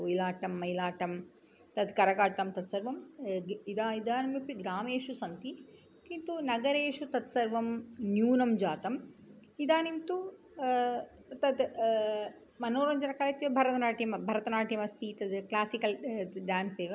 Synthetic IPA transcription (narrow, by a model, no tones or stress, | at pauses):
ojlaːʈɐmːɐjlaːʈɐm | t̪ɐd̪kɐɾɐkaːʈʈ̪ɐmt̪ɐt̪sɐɾʋɐmid̪aːid̪aːnɐmipiɡɾaːmeːʂusɐnt̪i | kint̪unɐɡɐɾeːʂut̪ɐt̪sɐɾʋɐmnjuːnɐmd͡ʒaːt̪ɐmid̪aːnimt̪u | t̪ɐd̪ | mɐnoːɾɐɲd͡ʒɐnɐkɐːɾɐt̪jɐbʱɐɾɐt̪ɐnaːʈʰijɐmbʱɐɾɐt̪ɐnaːʈʰijɐmɐst̪it̪ɐd̪klaːsikɐlɖaːnseːʋɐ